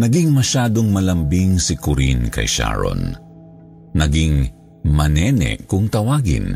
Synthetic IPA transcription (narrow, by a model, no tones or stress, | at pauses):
nɐɡiŋmɐʃaːd̪oŋmɐlɐmbiŋsikʊɾḭnkɐ̰jʃa̰ɹo̰nː | ɐɡiŋ | mɐnɛːnɛ̰ʔkʊŋt̪ɐwaːɡɪ̰n